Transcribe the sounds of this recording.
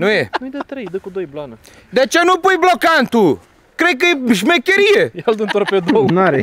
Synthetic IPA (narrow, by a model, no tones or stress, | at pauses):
nɐ̃w̃ɛũj̃d̪ɐt̪ɾɐid̪ɐkũd̪ojblˠɐnɐ | d̪et͡ʃɐnũpojblˠɔkɐ̃nt̪u | kɾejk̬ɨʒmẽkɐɾiɐɛlˠd̪ũt̪ɾped̪onãɾɛ